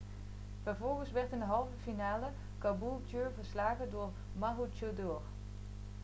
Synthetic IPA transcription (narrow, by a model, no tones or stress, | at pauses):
v̥əvɔlˠɣənsʋɛɹtəndəɦɑlˠvəfinaːlə | kabulˠtjøɹvəɹslaːɣədʊːɹ | maɦut͡ʃodoːr